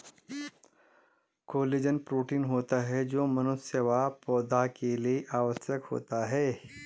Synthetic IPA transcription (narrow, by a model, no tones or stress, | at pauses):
koːliːd͡ʒənpɾuːʈiːnɦoːt̪aɦɛd͡ʒoːmɐnʊsjəʋapɔːd̪ʱakelieʔaːʋəsjəkho̰ːt̪aɦɛː